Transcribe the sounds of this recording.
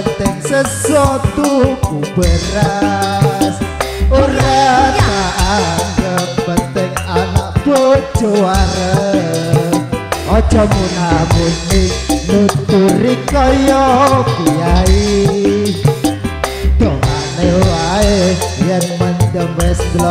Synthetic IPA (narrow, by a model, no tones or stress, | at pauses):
ənt̪ɪŋsəswɔt̪ukubəɾa | suɾataʔankəmpənt̪ɪŋanaʔ̚ɡo̥d͡ʒoaɾə | ɔ̥d͡ʒɔmunɦamusninut̪uɾikɔjɔkiai | d̪̥ɔŋanewaejənmənd̪əmɛsɡlɔ